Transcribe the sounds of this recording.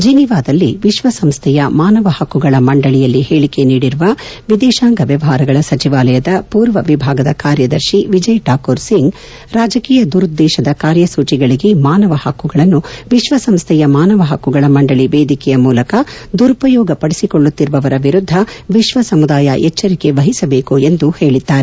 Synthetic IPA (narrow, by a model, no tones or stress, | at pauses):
d͡ʒiniʋaːd̪ɐlːiʋiʃʋɐsɐmst̪ʰɛjɐmaːnɐʋɐhɐkːuɡɐɭɐmɐɳɖɐɭijɐlːiheːɭike̞niːɽiɾuʋɐʋid̪ɛːʃaːŋɡɐʋjɐʋɐɦaːɾɐɡɐɭɐsɐt͡ʃiʋaːlɐjɐd̪ɐpuːɾʋɐʋibʱaːɡɐd̪ɐkaːɾjɐd̪ɐɾʃiʋid͡ʒɐjʈʰaːkuːɾsiŋɡ | ɾaːd͡ʒɐkiːjɐd̪uɾud̪ːɛːʃɐd̪ɐkaːɾjɐsuːt͡ʃiɡɐɭiɡe̞maːnɐʋɐhɐkːuɡɐɭɐnːuʋiʃʋɐsɐmst̪ʰɛjɐmaːnɐʋɐɦɐkːuɡɐɭɐmɐɳɖɐɭiʋeːd̪ikɛjɐmuːlɐkɐ | d̪uɾupɐjɔːɡɐpɐɽisikoɭːut̪ːiɾuʋɐʋɐɾɐʋiɾud̪ʱːɐʋiʃʋɐsɐmud̪aːjɐʔɛt͡ʃːɐɾike̞ʋɐɦisɐbe̞ːkue̞nd̪uhe̞ːɭid̪ːaːɾe